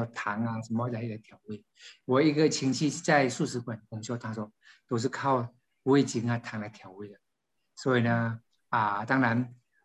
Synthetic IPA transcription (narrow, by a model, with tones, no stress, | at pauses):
t̪ʰa˨˧˥ŋa˧ʂə˨˩˦nm˧wa˧˥i˥˩ɡə˨˧˦t̪ʰja˨˧˦ʊwe˥˩ɪ | wɔ˨˩i˧˥ɡə˨t͡ɕʰi˧˥ŋt͡ɕʰi˥˧t͡sa˥˧ɪʂu˥˩ʂɻ̩˧˥kwa˨˩nʊ˨˧˩ŋɕjo˥˧ʊt̪ʰa˥swɔ˥ | t̪o˥ʊʂ̬ɻ̩˥˧kʰɑ˥˩ʊ | we˥˩ɪt͡ɕi˧˥ŋa˧t̪ʰa˨˧˥ŋla˧ɪt̪ʰjɑ˨˩˦ʊwe˥˩ɪd̪ə˨˩ | swɔ˧˦˥i˨˩nə˦ | ə˨˩t̪ɑ˥ŋɻa˧˥n